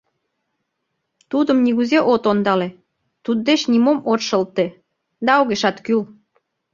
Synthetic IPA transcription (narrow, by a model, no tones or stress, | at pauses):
t̪ud̪əmniɣuzeʔot̪ond̪ɑle | t̪ud̪̚ːeʃnimomot̪ʃə̆lt̪e | d̪ɑoɣeʃɑt̪kyl